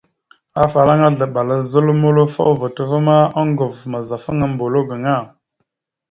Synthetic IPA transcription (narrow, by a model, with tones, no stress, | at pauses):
a˦fa˨la˦ŋa˦ɮə˨ɓa˨la˦zə˦lmo˦lo˦fa̰˦wvə˨tə˦və˦ma˦a˦ŋɡo˨vma˨za˨fə˦ŋa˨mbo˨lo˦ɡə˨ŋa˦˨